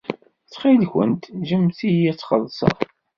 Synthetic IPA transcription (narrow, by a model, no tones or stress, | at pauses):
t͡sːχilçə̰nt̪ʒəmθiæt͡sːχəðˤsˤɑ̰ˤ